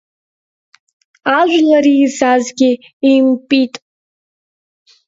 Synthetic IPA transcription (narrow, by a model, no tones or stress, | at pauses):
aʒʷᶣlaɾiːzazɡʲi | impʼitʼ